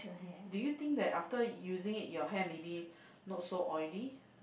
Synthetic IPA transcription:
dujut̪ĩŋk̚d̪ɛtaftəjuzɪ̃ŋitjɔɦɛ̃nmebi | nɔt̚soʔɔɪli

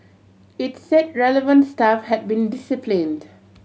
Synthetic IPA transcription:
itsɛt̚ɹɛləvə̃ntstafhɛd̚bĩndɪsɪplĩnd

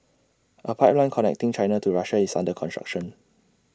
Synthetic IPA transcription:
ʔəpʰaɪplãɪ̃nkʰɔnɛ̰k̚tĩŋt͡ʃãɪnatuɹaʃaisã̰ndəkʰɔ̃nstɹa̰k̚ʃə̃n

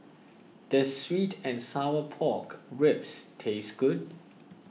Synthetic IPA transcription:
d̥əswitʰɛ̃nsaʊəpʰɔkɹɪpstʰesɡ̥ud̚

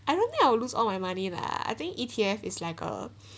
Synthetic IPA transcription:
aɪjdõnt̪ɪ̃ŋaɪwɪlusɔ̰lmajmanĩna̰a̰jt̪ɪ̃ŋkitʰiɛfɪslaɪkə̰

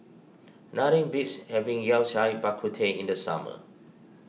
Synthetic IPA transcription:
naɾĩŋbitshɛvĩŋjɛlʃajbakʰutʰeḭ̃ndəsa̰mə̰

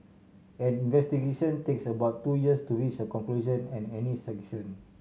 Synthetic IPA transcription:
ɛ̃nĩnvɛst̪iɡeʃɔ̃nt̪eksəbawt̪ːujiəstuɹit͡ʃəkɔ̃ŋkluʒɔ̃nɛ̃nɛnisɛ̃kʃɔ̃n

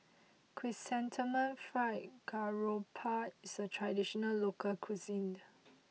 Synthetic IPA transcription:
kʰwisɛ̃ntʰimə̃nfɹaɪtɡaɹopʰatisətʰɹadiʃɔnəllokʰəlkʰwizĩn

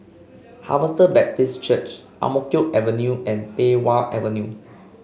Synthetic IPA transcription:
ha̰vəstəbɛp̚tist͡ʃət͡ʃ | ʔa̰mokioʔɛvənjuɛ̃npewalʔɛ̰vənju

